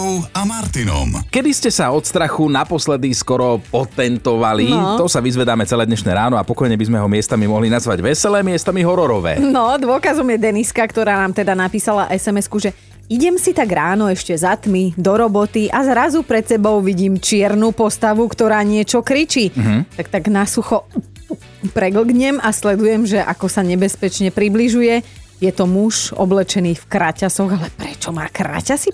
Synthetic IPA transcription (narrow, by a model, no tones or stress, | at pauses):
amaɾt̪inɔ̰mkɛd̪iscɛsaɔt̪st̪ɾaxunapɔslɛd̪iskɔɾɔpɔt̪ɛnt̪ɔʋalit̪ɔsaʋizʋɛd̪aːmɛt͡sɛlɛːd̪ɲɛʃnɛːɾaːnɔapɔkɔjɲɛbizmɛɦɔmɪɛst̪amimɔɦlinazʋaɟʋɛsɛlɛːmɪɛst̪amiɦɔɾɔɾɔʋɛ̰ːnɔd̪ʊɔkazɔmjɛd̪ɛniskakt̪ɔɾaːnaːmt̪ɛd̪anapiːsalaʔɛsɛmɛskuʒɛ | iɟɛmsit̪aɡɾaːnɔɛʃcɛzat̪mid̪ɔɾɔbɔt̪iʔazɾazupɾɛt̪sɛbɔʊʋiɟiːmt͡ʃɪɛɾnuːpɔst̪aʋukt̪ɔɾaːɲɪɛt͡ʃɔkɾit͡ʃiːt̪ak̚t̪aɡnasuxɔ | pɾɛɡl̩ɡɲɛmaslɛd̪ujɛmʒɛʔakɔsaɲɛbɛspɛt͡ʃɲɛpɾibliʒujɛ | jɛt̪ɔmuʃʒɔ̰blɛt͡ʃɛniːfkɾacasɔɣalɛpɾɛt͡ʃɔma̰ːkɾa̰casi